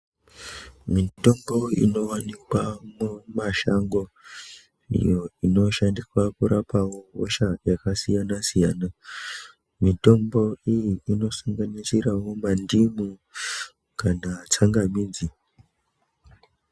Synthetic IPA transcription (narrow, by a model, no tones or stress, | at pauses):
mito̞mbo̞ḭno̞wanikwamumaʃaŋɡo̞ | ḭjoino̞ʃandikwakuɾʔapawo̞o̰ʃajakasijanasijaːna | mito̞mbo̞ijiino̞saŋɡanit͡ʃiɾawo̞mandimu | kanat͡saŋɡamiːd͡zi